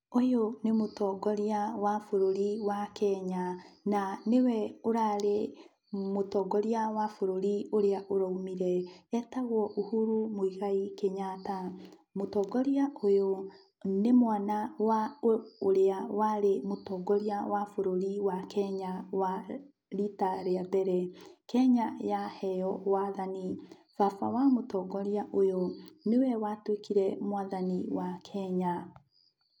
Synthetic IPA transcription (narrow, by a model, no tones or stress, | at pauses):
ojonemotɔɡɔɾiawafoɾoɾiwakɛɲananewɛoɾaɾe | motɔːɡɔɾiawafoɾoɾioɾeaʔoɾaumiɾɛɛtaɣɔʔohuɾumoiɣaikeɲatamotɔɡɔɾiaʔojo | nemwaːnawaoɾeawaɾemotɔɡɔɾiawafoɾoɾiwakʰɛɲawa | ɾitaɾeabɛɾɛkɛɲajahɛjɔwaðanifafa̰wamotɔːɡɔɾiaʔojɔnewɛwatwekiɾɛmwaðaniwakʰɛɲa